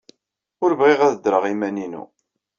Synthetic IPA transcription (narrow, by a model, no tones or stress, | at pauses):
ʊɾvʁiʁæðəd̪ɾəʁimæninṵ